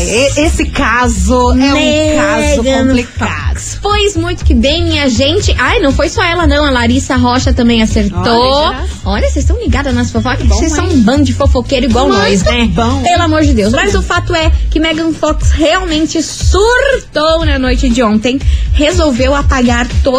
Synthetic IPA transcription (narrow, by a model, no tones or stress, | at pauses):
esɪkazʊɛmɛkazʊɡɐ̃plikadʊfojzmũj̃t̪ʊ̥kɪbẽj̃ɲĩɐʒẽnt͡ʃɪʔajnɐ̃w̃fojsɔɛlɐnɐ̃w̃ɐlaɾisɐɦɔʃɐt̪ɐ̃mbẽj̃aseɾt̪oɔʎɐsejst̪ɐ̃w̃liɡad̪ɐnɐsfofɔksejssɐ̃ũbɐ̃ʊd͡ʒɪfofokejɾʊiɡwawnosnɛbɐ̃pelʊamoɾd͡ʒɪd̪ewsmɐzʊfat̪ʊɛkɪmɛɡɐ̃nfɔksheawmẽnt͡ʃɪ | suɾt̪ownɐnojt͡ʃɪd͡ʒɪõnt̪ẽj̃hezowvewapaɡaɾt̪o